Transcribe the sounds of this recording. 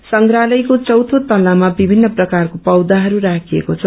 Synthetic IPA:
sʌŋɡɾalʌjkot͡sʌwt̪ʰot̪ʌlamabibʱinːʌprʌkarkopʌwd̪aɦʌɾuɾakʰiḛkot͡sʰʌ

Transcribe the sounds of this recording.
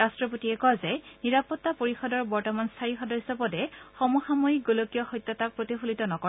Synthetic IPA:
astɹɔpotiɛkɔazɛniɹapɔtːapoɹixɔdɔɹbɔɹtɔmanstʰaixɔdɔɹisɔbɔdɛxɔmuxamɔik̚ɡolokijɔxɔjtːɔtak̚pɹotixulitɔnɔkɔ

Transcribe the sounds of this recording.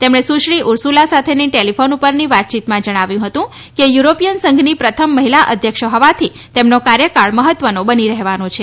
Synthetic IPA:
t̪emɳ̃esuʃɭiʔʊɾsulasat̪ʰeniʈelifonupəɾniʋat̪̚t͡ʃit̪mãd͡ʒəɽ̃aʋjũɦət̪ũ | kejuɾopijənsə̃ŋɡʱnipɾət̪ʰəmːəɦilaʔəd̪ʱjəkʃəɦəʋat̪ʰi | t̪emnokaɾjəkaɭməɦət̪ʋənobəniɾəɦeʋanõt͡ʃʰe

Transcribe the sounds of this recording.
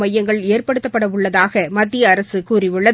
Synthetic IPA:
mɐjːɐŋɡɐɭeːrpɐɽɯt̪ːɐpːɐɽɐʋʊɭːɐðaːɣɐmɐd̪ːɪjɐːɾɐsɯkuːɾɪʋɯɭːɐ

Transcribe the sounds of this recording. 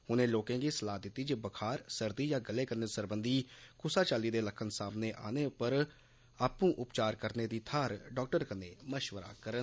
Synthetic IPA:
hʊnẽːloːkãːɡiːsəlaːd̪ɪt̪ːiːd͡ʒebəkʰaːɾsəɾd̪iːjaːɡəleːkəɾneːsəɾbənd̪iːkʊsaːt͡ʃaːliːd̪eːləkʰənsaːmneːʔa̰ːneːʊpəɾ | aːpũːʔʊpt͡ʃaːɾkəɾneːd̪iːt̪ʰaːɾɖɔːk̚ʈəɾkəneːməʃʋəɾa̰ːkəɾən

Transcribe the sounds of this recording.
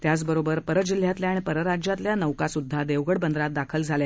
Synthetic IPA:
t̪jat͡sbəɾobəɾpəɾəd͡ʑil̤jat̪ljaaɽ̃ipəɾəɾad͡ʑjat̪ljanəʋkasud̪ʱːad̪eʋɡəɽbənd̪ɾat̪̚d̪akʰəld͡zʱalja

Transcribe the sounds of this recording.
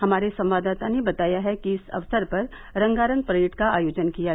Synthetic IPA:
hɐmaːɾesɐ̃mʋaːd̪aːt̪anebɐt̪aːjaɦɛkiɪsɐ̰ʋsəɾpɐɾ | ɾɐ̃ŋɡaːɾə̃ŋɡpɾɐɪʈkaaːjoːd͡ʒənkija

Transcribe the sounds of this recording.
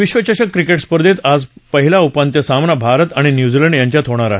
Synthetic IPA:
ʋiɕʋət͡ɕaɕəkːɾikeʈspəɾd̪ʱiːt̪ad͡zpəɦilaupant̪jəsamnabʱaɾət̪aɽ̃injud͡ziləɳɖjaɲt͡ɕjat̪ɦoɽ̃aɾaɦe

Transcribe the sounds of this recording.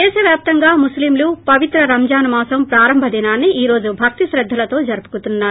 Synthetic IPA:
ɛːʃɐʋjaːp̚t̪ɐŋɡaːmuslimluːpɐʋit̪ɾɐɾɐmd͡ʒaːnumaːsɐmpɾaːɾɐmbʱɐd̪inaːnːiʔiːɾo̞ːd͡ʒubʱɐk̚t̪iʃɾɐd̪ʱːɐlɐt̪o̞ːd͡ʒɐɾupu̥kut̪unːaːɾu

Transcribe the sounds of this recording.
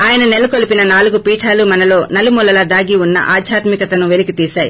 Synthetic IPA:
aːjɐnɐnelːukolipinɐnaːluɡupiːʈʰaːlumɐnɐlo̞ːnɐlimulɐlɐd̪aːɡiunːɐ̰ʔaːd̪ʱjaːt̪mikɐt̪ɐnuʋelikit̪iːʃaːji

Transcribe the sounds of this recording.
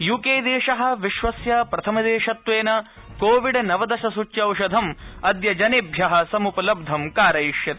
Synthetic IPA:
jukeːd̪eːʃɐɦɐ̆ʋiʃʋɐsjɐpɾɐt̪ʰɐmɐd̪eːʃɐt̪ʋeːnɐ | koːʋiɖnɐʋɐd̪ɐʃɐsut͡ʃjɐwʃɐd̪ʱɐmɐd̪jɐd͡ʒɐnebʱjɐɦɐ̆sɐmupɐlɐb̚d̪ʱɐmkaːɾɐjiʃjɐt̪

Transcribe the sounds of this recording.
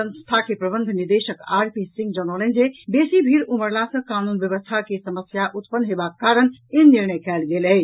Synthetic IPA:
sə̃nst̪ʰakepɾəbənd̪ʱniɾd̪esəka̰ɾpisĩŋɡd͡ʒənələnd͡ʒebesibʱiɾuməɾlasə̃kanunbjəβəst̪ʰakesəməsjaʔut̪pənːɦebakːaɾəneniɾnəjkɛlɡeləɦi

